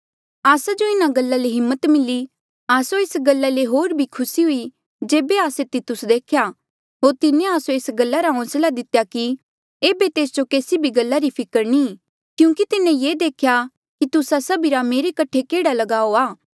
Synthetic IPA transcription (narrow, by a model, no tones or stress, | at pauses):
aːsad͡ʒoɪnaɡɐlːaleɦɪmːət̪mɪlːi | aːsoeːsɡɐlːaleɦoːɾbʱikʰʊsiɦʊi | d͡ʒeːbeaːset̪ɪt̪ːʊsd̪eːkʰja | ɦoːɾt̪ɪnẽaːsoeːsɡəlːaɾaɦõːslad̪ɪt̪jaki | eːbet̪eːsd͡ʒokeːsibʱiɡɐlːaɾipʰɪkəɾni | kjũːkit̪ɪnẽjeːd̪eːkʰja | kit̪ʊsasɐbʱiɾameːɾekɐʈʰekeːɽalɐɡaːoaː